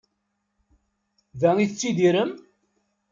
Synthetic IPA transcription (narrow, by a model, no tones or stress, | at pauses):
ðæiθət͡sːid̪iɾəm